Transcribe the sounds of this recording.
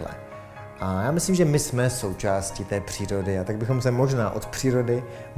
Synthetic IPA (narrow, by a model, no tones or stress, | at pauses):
lɛ̰ | ʔajaːmɪslimʒɛmɪsmɛso̞wt͡ʃaːscɪt̪ɛːpr̝̥iːɾo̞dɪat̪aɡ̚bɪxo̞msɛmo̞ʒnaːʔo̞t̪pr̥iːɾo̞dɪ